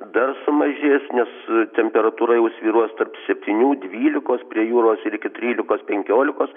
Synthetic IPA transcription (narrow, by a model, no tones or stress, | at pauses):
d̪ɐrsʊmɐʒʲeːsnʲɛst̪ʲɛmʲpʲɛɾɐt̪uːɾɐjɛʊsʲʋʲiːɾuɔst̪ɐrpsʲɛpʲt̪ʲinʲuːd̪ʲʋʲiːlʲɪkoːspʲɾʲiɛjuːɾoːsɪɾɪkʲɪt̪ʲɾʲiːlʲɪkoːspʲɛŋʲkʲoːlʲɪkoːs